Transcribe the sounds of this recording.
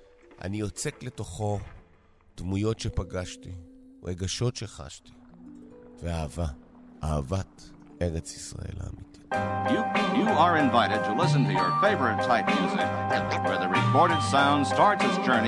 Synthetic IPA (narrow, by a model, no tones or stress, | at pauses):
ʔa̰niot͡sekle̞to̞χo̞ | d̥mujo̞tʃe̞paɡaʃtiʁeɡaʃo̞tʃeχa̰ʃti̥ | veaːva | ʔaːvat | e̞ʁet͡si̥sʁa̰e̞̰la̰ːmiti̥t | jɨə˞ɨ̃ɱvaɪɾɨd̚tʰəlɪs̬ɨ̃n̩tɨjə̰˞feɪvə˞ɨttʰaɪp̚mjʉzɪ̰k̚wə˞ðɨɹipʰɔɹɾɨd̥sãʊ̃ndstɑɹtsɨzd͡ʒɜ˞ni